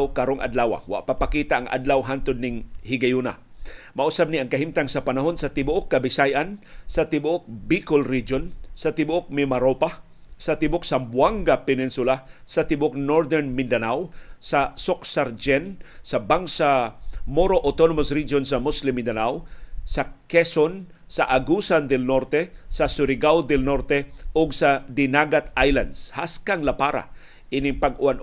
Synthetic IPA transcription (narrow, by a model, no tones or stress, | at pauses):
wkaɾoŋʔa̰d̪laːwa̰wa̰ʔpapakiːt̪aʔaŋʔa̰d̪lawɦant̪ʊd̪nɪŋhɪɡajuna | maʔʊsab̚niʔɐŋkɐɦimt̪aŋsɐpanaɦo̞nsɐt̪ɪbʊʔokːabɪsajʔansɐt̪ɪbʊʔok̚bikolɹid͡ʒonsɐt̪ɪbʊʔok̚mɪmaɾopa | sɐt̪ɪbʊk̚sambwaŋɡapɛnɪnsʊlasɐt̪ɪbʊok̚noɹd̪ɛɹnmɪnd̪anawsɐsok̚saɾd͡ʒɛnsɐbaŋsamoɾoʔot̪onomosɾid͡ʒonsɐmʊslɪmɪnd̪anawsɐkɛson | sɐʔaɡusand̪ɛlnoɾt̪ɛsɐsʊɾɪɡawd̪ɛlnoɾt̪ɛoɡsɐd̪ɪnaɡat̪ajland̪shaskaŋlapaɾa̰ | ʔinɪŋpɐɡʊʔan